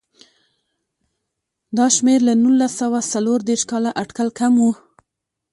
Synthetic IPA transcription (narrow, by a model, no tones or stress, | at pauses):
d̪ɑʃmeɾlanulːasawasaloɾd̪eɾʃkɑlaʔaʈkalkamwu